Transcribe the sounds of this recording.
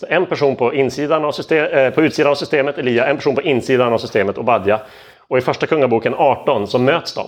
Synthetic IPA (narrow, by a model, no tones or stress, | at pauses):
sɔɛnpʰæʂuːnpʰɔɪnːsiːd̪aɳavsʏst̪eːpʰɔʉ̟ːt̪siːd̪anavsʏst̪eːmət̪ɛliːaɛnpʰæʂuːnpɔʔɪnːsiːd̪anavsʏst̪eːmət̪ɔbad̪ja | ɔɪfœʂʈakʰɵŋːabuːkənɑːʈɔnsɔmːøːt̪sd̪ɔ̰m